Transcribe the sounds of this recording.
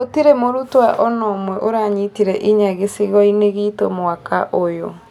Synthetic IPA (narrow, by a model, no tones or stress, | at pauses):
otiɾemoɾutwaʔɔnɔmwɛʔoɾaɲitiɾɛʔiɲaɣesiɣɔineɣitomoakaʔojo̰